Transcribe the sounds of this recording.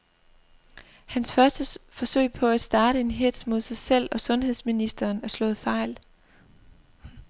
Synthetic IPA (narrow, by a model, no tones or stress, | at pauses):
hænsfɶɐsd̥əfɒ̽sø̰ɪ̰pʰɒ̽æd̥sd̥ɑ̈ːɾ̥əe̝nɦed̥smo̝ð̞̰ˠsɑ̈ɪsel̰ɒ̽sɔ̽nhe̝ð̞ˠsminisd̥ɐːnæɐslɔ̰̽ːð̩ˠfɑ̈ɪ̰l